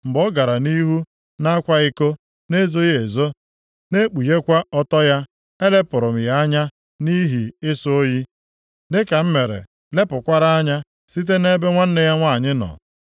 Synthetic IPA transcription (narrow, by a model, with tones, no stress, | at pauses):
m̩˨bɔ˦ɡa˨ɾa˨ni˦ɦu˦ | na˦kʷa˦ɪ˦ko˦ | ne˦zo˦je˦e˨zo˦ | ne˦k͡pu˨je˦kʷa˦ɔ˦tɔ˦ja˦ | e˦le˦pʊ˨ɾʊ˨m̩˨ja˦a˦ɲa˦ | ni˦ɦi˨ɪ˦so˦o˦ji˦ | dɪ˦ka˨m̩˦me˨ɾḛ˨ | le˦pʊ˨kʷa˦ɾa˦a˦ɲa˦ | si˦t̬e˦ne˦be˦ŋʷa˦n̩˦ne˦ja˦ŋʷa˦˨ɲɪ˦nɔ̰˨